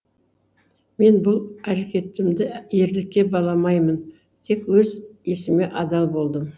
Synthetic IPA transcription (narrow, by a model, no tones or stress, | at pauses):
me̞nbʊlˠæɾekʲe̞t̪ːɪmd̪ɪe̞ɾd̪ɪkʲːe̞bɑlˠɑmɑjmən | t̪ʰe̞kwɵze̞sɪme̞ʔɑd̪ɑlˠbo̞lˠd̪əm